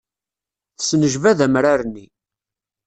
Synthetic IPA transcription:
θə̥snəʒvæðæmɾaɾnːi

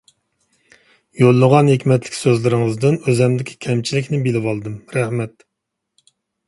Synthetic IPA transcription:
jolˠːəʁɑnhekʲmɛt̪lɪ̥kʲsøzlɪɾɪŋəzd̪ɪnøzɛmd̪ɪkʲʰi̥kʲʰɛmt͡ʃʰilɪkʲnɪbilɪwɑlˠɨd̪ɨmɾɛhmɛt̪̚

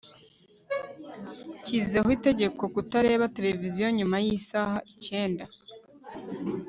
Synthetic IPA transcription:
cizzeɦite̞ɟe̞ko̞kutaɾe̞ːβate̞ɾe̞vizijo̞ɲumajisaːhaʔice̞ːnda

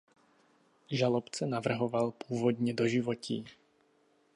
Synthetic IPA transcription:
ʒalɔpt͡sɛnaʋr̩ɦɔʋalpʊɔːʋɔd̪ɲɛd̪ɔʒiʋɔcḭː

